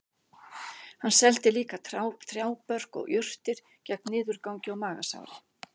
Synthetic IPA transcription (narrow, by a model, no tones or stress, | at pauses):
hanːsɛlt̪ɪliːkat̪ʰɾawt̪ʰɾjaːwpœr̥kɔ̰ɣʏr̥t̪ɪɾ̥ | cɛk̚nɪːðʏɾkawɲcɪawmaːɣa̰sa̰wɾɪ